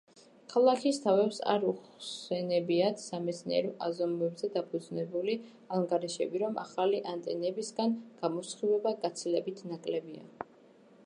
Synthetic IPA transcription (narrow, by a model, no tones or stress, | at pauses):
kʰalˠakʰist̪ʰavɛpsa̰ɾusɛnɛbiat̪ʰsamɛt̪sʰniɛ̰ɾɔʔazɔmvɛbzɛd̪apʰud̪znɛbuli | aaŋɡaɾiʃɛbiɾɔmʔaχaliʔant̪ʼɛ̰nɛbisɡanɡ̥amɔsχivɛbaɡat̪sʰilɛbit̪ʰnakʼlɛbia̰